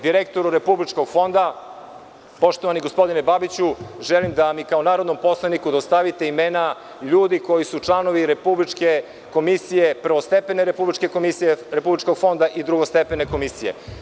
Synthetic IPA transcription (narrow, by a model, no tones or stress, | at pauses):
d̪iɾekt̪o̞ɾuɾe̞publit͡ʃkoɡfo̞nd̪a | po̞ʃt̪o̞ʋaniɡospo̞d̪inebabit͡ɕuʒelimd̪amikaonaːɾod̪no̞mpo̞slˠanikud̪ost̪aʋit̪e̞imena | ʎuːd̪iko̞jisut͡ʂlˠano̞ʋiɾepublit͡ʃke | ko̞misijepr̩ʋost̪epeneɾepublit͡ʃke̞komisijeɾepublit͡ʃkoɡ̥fo̞nd̪aʔid̪ɾuɡost̪e̞pene̞ko̞misije̞̰